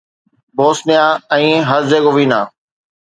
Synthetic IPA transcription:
boːsnɪjãːɛ̃ːɦəɾzeːɡoʋĩːnaː

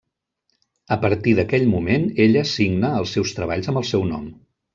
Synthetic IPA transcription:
əpəɾt̪iðəkɛʎmumeneʎəsiɡnəːlˠsːɛwst̪ɾəβ̞aʎzəmbəlˠsɛwnɔ̰m

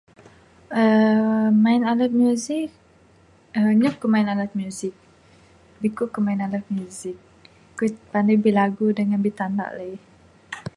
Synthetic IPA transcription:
ʔə | mainalat̪̚mjuzik̚ | əɲukːumainalat̪̚mjuzɪk̚ | bikuʔkumainalat̪̚mjuzɪk̚ː | upandajbilaɡudəŋanbit̪anda̰ʔlə

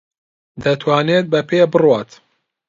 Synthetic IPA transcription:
d̪ɐt̪ʰwaːneːt̪̚bɐpʰebɨrwaːt̪

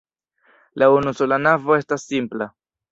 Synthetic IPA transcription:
launuso̞lanavo̞e̞stasːimpla

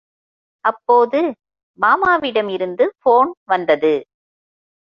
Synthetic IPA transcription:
ʔɐpːoːðɯ | maːmaːʋɪɽɐmɪɾɯnd̪ɯfoːnʋɐnd̪ɐðɯ

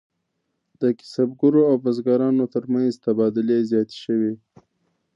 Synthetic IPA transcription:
d̪̥əkɪ̥sabɡʊɾoawbazɡɑɾɑnot̪əɾmanzt̪abɑd̪ʊlezjɑt̪e̥ʃəwi

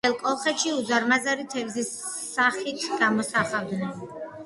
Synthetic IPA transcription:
ɛlˠkʼɔlˠχɛt̪ʃiud̪zaɾmazaɾit̪ʰɛvzisː | aχit̪ʰɡ̥amɔsaχavd̪nɛn

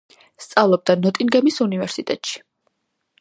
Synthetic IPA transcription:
st̪sʼavlˠɔb̚d̪anɔt̪ʼinɡɛmisunivɛɾsit̪ʼɛt̪ʼʃi̥

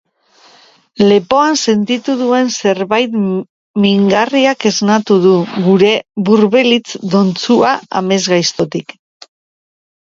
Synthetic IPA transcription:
le̞po̞anse̞nt̪it̪uðue̞nse̞ɾβajt̪ | miŋɡariake̞znat̪uðuɣuɾe̞βuɾβe̞lit͡sd̪o̞nt͡suaa̰me̞zɣajst̪o̞t̪ik

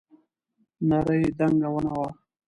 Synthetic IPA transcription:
naɾəjid̪aŋɡawənawa

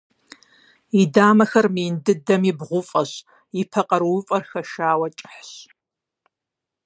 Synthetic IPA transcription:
idaːmɐxɐrmiːndɨdɐmibʁʷʊfʼɐɕ | ipʰɐqʼɐɾʊfʼɐrxɐʃaːwɐt͡ʃʼħɕ

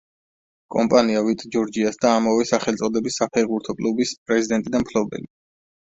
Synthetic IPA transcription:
kʼɔmpʼaniavit̪ʼd͡ʒɔɾd͡ʒiasd̪aːmɔvɛsaχɛlt̪sʼɔd̪ɛbisːapʰɛɾʁbuɾt̪ʰɔkʼlˠubispʼɾɛzid̪ɛnt̪ʼid̪anmkʰlɔbɛ̰li

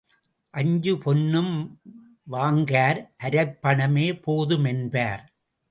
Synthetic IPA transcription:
ʔɐɲd͡ʒɯpɔnːɯm | ʋaːŋɡaːɾʔɐɾɐɪpːɐɳɐmeːpoːðɯmɛnbaːɾ

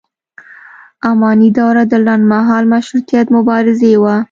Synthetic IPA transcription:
amɑnid̪ɑwɾad̪əlanmaɦɑlmaʃɾut̪ijat̪mʊbɑɾɪzewa

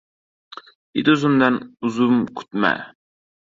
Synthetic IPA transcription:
id̪uzumd̪ɛnuzumkʲʰy̥t̪mɛ̰

